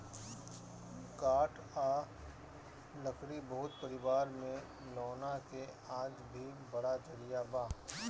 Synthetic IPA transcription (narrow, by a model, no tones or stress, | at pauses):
kaːʈ | a | lɐkɾibɐɦʊt̪̚pɐɾɪʋaːɾmẽ | lɔːnakeaːd͡ʒbʱibɐɽad͡ʒɐɾijabaː